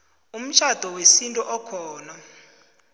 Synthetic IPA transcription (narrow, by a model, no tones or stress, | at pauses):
um̩t͡ʃʰad̥ʱɔwesintʼɔʔɔkʰɔːna